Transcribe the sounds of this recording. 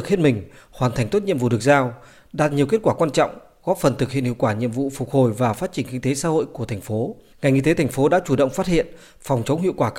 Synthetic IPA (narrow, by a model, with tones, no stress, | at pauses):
k̚hi˦˥ənmï˨˩ŋ̟hwaː˨˩nt̪ʰa˨˩jŋ̟t̪o˦˥t̚ɲḭ˧əmvṵ˧˨ɗɨ˨˩k̚zaː˧w | ɗaː˨˩t̚ɲi˨˩əwki˦˥ət̚kwaː˧˩kwaː˧nt͡ɕɔ̰˧˨wŋ͡m | ɣɔ˦˥p̚fə˨˩nt̪ʰɨ˨˩k̚ḭ˧˨nhḭ˧˨wkwaː˧˩ɲḭ˧˨əmvṵ˧˨fʊ˨˩t̚ho˨˩jvaː˨˩faː˦˥t̚t͡ɕï˨˩ŋ̟kï˧ŋ̟t̪e˨˦saː˧˥ho̰˧˨jku˧˩ət̪ʰa˨˩ŋ̟fo˨˦ | ŋa˨˩jŋʔḭ˧t̪e˨˦t̪ʰa˨˩ŋ̟fo˨˦ɗa̰ː˧˥t͡ɕu˧˩ɗə̰˧˨wŋ͡mfa˦˥t̚hḭ˧˨ən | fɔ˨˩wŋ͡mt͡ɕə˨˦wŋ͡mhḭ˧˨əwkwaː˧˩